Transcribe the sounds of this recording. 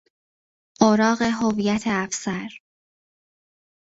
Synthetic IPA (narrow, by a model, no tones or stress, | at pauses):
ɢoɾɒːɣe̞ɦoviːjæt̪ʰeæfsæɾ